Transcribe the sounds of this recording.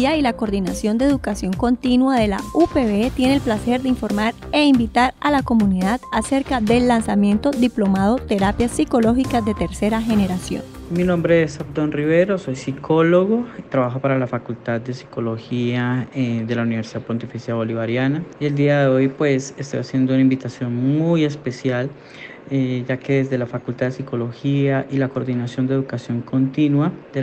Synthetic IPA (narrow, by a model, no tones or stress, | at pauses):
ailako̞ɾðinasjo̞nd̪eðukasjo̞ŋko̞nt̪inwaðe̞la̰upeβet̪je̞nelplase̞ɾd̪eiɱfo̞ɾmaɾ | e̞imbit̪aɾalako̞muniðaðase̞ɾkaðe̞lːansamjẽ̞nt̪o̞ðiplo̞mað̞o̞t̪e̞ɾapjasiko̞lo̞xikaðe̞t̪e̞ɾse̞ɾaxe̞ne̞ɾasjo̞̰n | minõ̞mbɾeesabd̪onriβe̞ɾo̞so̞jsikʰo̞loɣot̪ɾaβaxopaɾalafakult̪ad̪̚d̪e̞si̥ko̞lo̞xiaed̪e̞launiβeɾsiðaðpo̞nt̪ifisjaðeβo̞liβaɾjanaie̞ld̪iaðe̞ojpwe̞sest̪o̞jasje̞nd̪ounaĩmbit̪asjo̞nmuje̞spe̞sjal | ed͡ʒake̞ðe̞zd̪e̞lafakult̪aðd̪esiko̞lo̞xiaʔilakoɾd̪inasjo̞nd̪eðukasjo̞ŋko̞nt̪inwad̪e